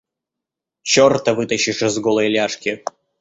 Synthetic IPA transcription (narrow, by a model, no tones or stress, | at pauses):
t͡ɕort̪əvɨt̪əɕːɪʂɨzɡolˠəjlʲaʂkʲɪ